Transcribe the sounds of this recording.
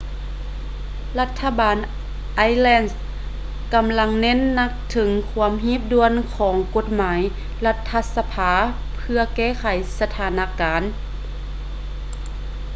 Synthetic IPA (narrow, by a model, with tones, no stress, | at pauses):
la˧t̪ʰːa˧baː˨n | ʔa˧˥jlɛː˧˩ns | ka˨mla˧ŋne˧˥˨nːa˧k̚t̪ʰɯ˨˦ŋkʰu˧˦əmɦiː˧˥˩p̚du˧ənkʰɔː˩˦ŋko˧˥t̪̚maː˩˦j | la˧t̪ʰːa˧sa˧pʰaː˨˧˦ | pʰɯ˧ɐkɛː˧˥˩kʰa˨˩jsa˧t̪ʰaː˨˦na˧kaː˨˦n